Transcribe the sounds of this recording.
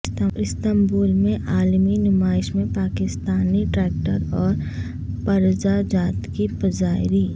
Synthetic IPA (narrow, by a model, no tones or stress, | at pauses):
ɪst̪əmbuːlmẽʔaːlminʊmaːɪʃmẽpaːkɪst̪aːniʈɾɛːk̚ʈəɾɔːɾ | pɐɾd͡ʒad͡ʒaːt̪kipəd͡ʒaːɪɾi